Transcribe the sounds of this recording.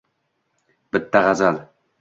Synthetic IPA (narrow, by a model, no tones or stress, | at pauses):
b̥ɪt̪ːaʁazal